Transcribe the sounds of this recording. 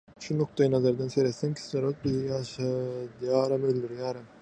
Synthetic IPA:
ʃunoq̚t̪ɑjɯnɑzɑɾd̪ɑnseɾet̪seŋkʲʰi̥sleɾot̪̚bizjɑʃɑd̪jɑːɾɑmøld̪yɾjaːɾɯm

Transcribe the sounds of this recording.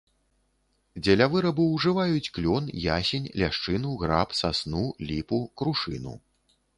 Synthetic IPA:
d͡zʲɐlʲavɨɾɐbuwʐɨvajut͡sʲklʲɔnjasʲɛnʲlʲaʂt͡ʂɨnuɣɾapsasnulʲipukɾuʂɨnṵ

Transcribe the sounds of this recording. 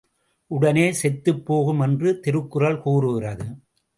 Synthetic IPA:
ʔʊɽɐneːsɛt̪ːɯpːoːɣɯmɛndrɯt̪ɪɾɯkːɯrɐɭkuːrɯɣɪrɐðɯ

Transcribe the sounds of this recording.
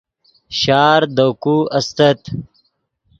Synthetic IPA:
ɕaːɾd̪okuɐst̪ɐt̪

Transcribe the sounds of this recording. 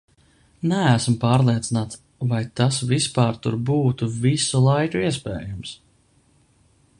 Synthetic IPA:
nææsmpɑːɾlˠiɛt̪sinaːt̪s | vajt̪asvispɑːɾt̪uɾbuːt̪uvisulˠajkuiɛs̬pɛ̰ːjams

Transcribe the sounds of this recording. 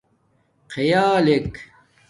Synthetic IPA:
qejaːlek

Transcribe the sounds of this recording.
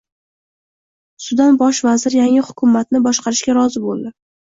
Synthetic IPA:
sʊd̪anbɒʃvazɪɾjaŋɪhʊkʰʲʊmːat̪nɪbɒʃqɑɾɪʃkʲaɾɒzɪbolˠd̪ɪ

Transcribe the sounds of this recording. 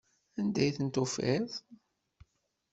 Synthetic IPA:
ænd̪æjθənt̪ʊfɪðˤ

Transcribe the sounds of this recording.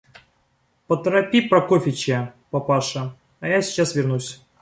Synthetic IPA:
pət̪ɾɐpʲipɾɐkofʲɪt͡ɕepɐpaʂə | ɐjasʲɪ̥t͡ɕasvʲɪrnusʲ

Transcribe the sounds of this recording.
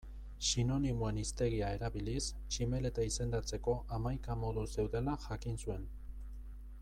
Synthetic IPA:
sino̞nimoe̞nist̪e̞ɣ̞iae̞ɾaβilis | t͡ʃime̞le̞t̪aise̞nd̪at͡se̞ko̞ʔamajkamo̞ðuse̞wðe̞laʝakinsue̞n

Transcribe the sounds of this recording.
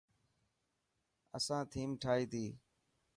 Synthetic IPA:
ə̰sãːt̪ʰiːmʈʰaːɦiːt̪ʰiː

